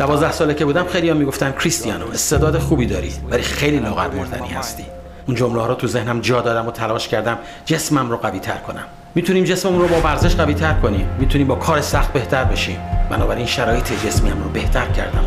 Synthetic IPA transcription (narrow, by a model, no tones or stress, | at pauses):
d̪̥ævɒːzd̪æhsɒːlecʰebuːd̪æmxejlijɒmiːɡo̞ft̪æncʰɾist̪ijɒnoest̪ed̪ɒːd̪exuːbiːd̪ɒːɾḭvælixejliːlɒːɣæ̰ɾmoɾd̪æ̰nḭːhæ̰st̪iː | und͡ʒomleːɾɔːt̪ʰuze̞hnæmd͡ʒɒːd̪ɒːd̪æmot̪ʰælɒːʃcʰæɾd̪æm | d͡ʒe̞smæmroɣæviːt̪ʰæ̰ɾkʰo̞næ̰mːiːt̪ʰuniːmd͡ʒe̞smemunɾrobɒːvæɾze̞ʃɢæviːt̪ʰæɾkʰo̞nimmiːt̪ʰuniːmbɒːkʰɒːɾesæxt̪̚be̞ht̪ʰæɾbe̞ʃiːmbæ̰nɒːbæɾinʃæɾɒːjet̪ʰed͡ʒe̞smiːæmɾɔbe̞ht̪ʰæɾcʰæ̰ɾd̪æ̰m